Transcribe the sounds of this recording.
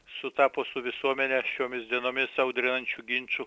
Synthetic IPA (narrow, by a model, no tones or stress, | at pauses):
sʊt̪ɑːpoːsʊʋʲɪsuɔmʲɛnʲɛʃʲoːmʲɪsd̪ʲiɛnoːmʲɪsɐʊd̪ʲɾʲɪnɐnʲt͡ʃʲuɡʲɪnʲt͡ʃʊ